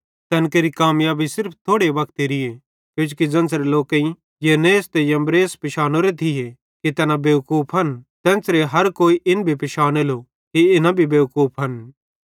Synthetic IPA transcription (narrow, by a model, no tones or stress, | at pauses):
t̪ɛːnkeɾikaːmjaːbʱisɪɾpʰt̪ʰoːɽeʋɐkt̪eɾɪje | kjʊ̃t͡ʃukid͡ʒɐ̃nsɾeloːkẽĩ | jeneːst̪ejɐ̃mbɾeːspɪʃaːnoɾet̪ʰɪje | kit̪ɛːnabeːkuːpʰɦɐnt̪ɛ̃ːnsɾeɦɐɾkoːiʔɪnbʱipɪʃaːnelo | kiɪnãbʱibeːkuːpʰɦɐn